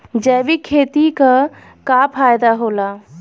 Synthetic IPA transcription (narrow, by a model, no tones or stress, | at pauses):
d͡ʒɛːʋikʰːeːt̪ika | kaːpʰaːjd̪aɦoːlaː